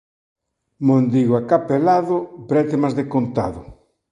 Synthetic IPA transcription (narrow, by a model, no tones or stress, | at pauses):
mond̪iɣoakapelaðʊbɾɛt̪emazðekont̪a̰ðʊ